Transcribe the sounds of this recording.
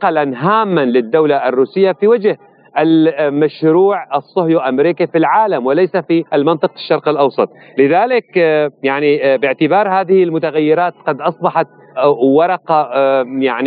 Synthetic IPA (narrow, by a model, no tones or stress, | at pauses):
qalanɦaːmːanlɪd̪ːawlaʔarːuːsɪjːafiwad͡ʒh | ʔalmaʃɾuːʕɑsˤːʊhjuʔamɾiːkifilʕaːlamwɪlajsafiʔalmɪnt̪ˤɨqɪʃːɑɾˤqɪlʔɑwsˤɑt̪ˤ | lɪðaːlɪkjaʕnibɪʕt̪ɪbɑːɾˤhaːðɪhɪlmʊt̪aɣajːɪɾɑːt̪qɑd̪ʔɑsˤbɑħɑt̪̚ | wɑɾˤɑqɑjaʕni